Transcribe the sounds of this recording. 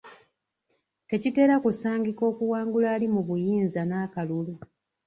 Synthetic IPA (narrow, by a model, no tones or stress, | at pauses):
te̞cite̞ːɾakusaːŋɡiko̞ːkuwaːŋɡulaːlimuβujiːnzanaːkalulu